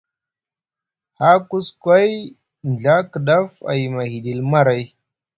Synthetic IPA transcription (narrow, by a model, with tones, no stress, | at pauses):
ha˦ku˦skʷa˦j | n˨ɮa˦kə˨ɗa˦fa̰˨jma˨hi˨di˨lma˦ɾa˨˦j